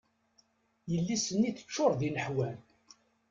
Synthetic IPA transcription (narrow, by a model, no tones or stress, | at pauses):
jəlːisənːiθə̥t͡ʃːʊɾˤðinəħwæn